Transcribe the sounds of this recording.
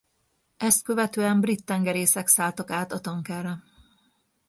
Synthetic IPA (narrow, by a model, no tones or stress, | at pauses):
ɛst̪̚kø̞vɛt̪øːɛmbrit̪ːɛŋɡɛɾeːsɛksaːlt̪ɒkaːt̪ɒt̪ɒŋkɛrɛ